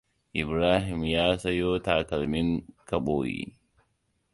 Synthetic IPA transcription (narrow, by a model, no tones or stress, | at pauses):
ʔɪbɾaːɦɪmjaːsɐjoːt̪aːkɐlmɪŋkɐɓoːjḭ